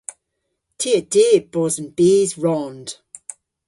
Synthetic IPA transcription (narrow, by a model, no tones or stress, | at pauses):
tʰiːəd̥iːb̥ɔzə̃nb̥iːzɹɔnd̥